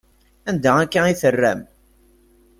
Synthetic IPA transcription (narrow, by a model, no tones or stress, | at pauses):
ænd̪æækːæiθərːæ̰m